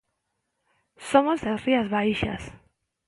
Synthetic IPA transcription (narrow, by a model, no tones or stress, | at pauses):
somozlasriazβajʃa̰s